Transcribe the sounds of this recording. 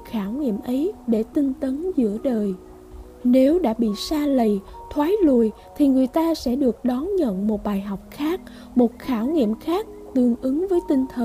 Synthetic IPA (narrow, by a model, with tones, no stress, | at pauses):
xaː˧˩wŋḭ˧˨əmʔə˨˦jɗe˧˩t̪i˧ŋt̪ə˨˦nzɨ̰˧˥əɗəː˨˩j | ne˨˦wɗa̰ː˧˥ɓḭ˧˨saː˧lə˨˩jt̪ʰwaː˨˦jlṵ˧˨əj | t̪ʰi˨˩ŋɨ˨˩əjt̪aː˧sɛ̰˧˥ɗɨ˨˩ək̚ɗɔ˨˦nɲə̰˧˨nmo˨˩t̚ɓaː˨˩jɦa˨˩wk͡p̚xaː˦˥k̚ | mo˨˩t̚xaː˧˩wŋḭ˧˨əmxaː˦˥k̚t̪ɨ˨˩əŋʔɨ˨˦ŋvəː˨˦jt̪i˧ŋ̟t̪ʰə˨˩